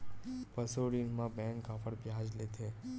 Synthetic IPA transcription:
pəsoɽinmãbɛ̃ŋkafʰəɾbjad͡ʒlet̪ʰe

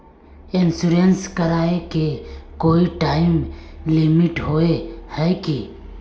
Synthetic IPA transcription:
ɪnsuɾenskəɾaːekekoːiʈaːɪmlimɪʈɦoːehɛːki

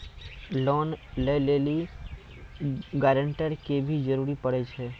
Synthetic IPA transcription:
loːnleleːli | ɡɛːɾə̃ɳʈəɾkebʱid͡ʒəɾuːɾipəɽɛt͡ʃʰeː

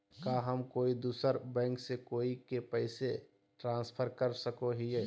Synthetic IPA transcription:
kaɦəmkoːid̪uːsəɾbɛ̃ːŋksekoːikepɛɪse | ʈɾãːnspʰəɾkəɾsəkoɦieː

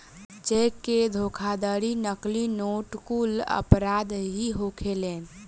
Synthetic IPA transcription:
d͡ʒekːed̪ʱokʰad̪əɾinəklinoʈkulə̰pɾad̪ɦiɦokʰelen

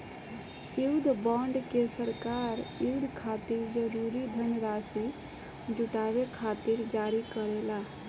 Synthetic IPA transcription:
juwd̪ʱbɔ̃ɳɖkesəɾkaɾjud̪ʱkʰat̪iɾd͡ʒəɾuɾid̪ʱənɾasi | d͡ʒuʈabekʰat̪iɾd͡ʒaɾikəɾela

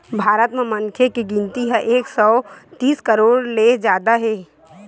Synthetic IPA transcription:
bʱaːɾət̪memənkʰekiɡɪ̃nt̪iɦɛʔeːksɔot̪iːskəɾoːɾled͡ʒjaːd̪aɦeː

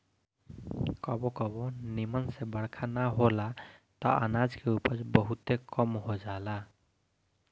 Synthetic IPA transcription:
kɔbɔkɔbɔnimansebəɽkʰanaɦolat̪ɔʔanad͡zkeupəsbɔɦut̪ekɔmɦod͡ʒala

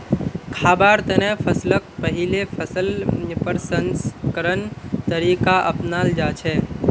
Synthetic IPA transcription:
kʰaːbaɾt̪ənẽpʰəslək̚pəɦilepʰəsəlpəɾsənskəɾənt̪əɾiːkaʔə̰pnald͡ʒat͡ʃʰɛ

